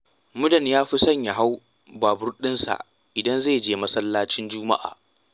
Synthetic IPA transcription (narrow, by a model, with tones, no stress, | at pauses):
mʊ˦dɐ˨ɲjaː˦ɸi˦sɐ˦˨ɲja˨ɦa˦w | baː˨bʊ˦ɾɗɪ˦nsa̰˨ | ʔɪ˨dɐ˦nzeː˦˨d͡ʒeː˦˨mɐ˦sɐ˦lːaː˦t͡ʃɪ˦nd͡ʒʊː˦ma̰˦ʔa̰ː˨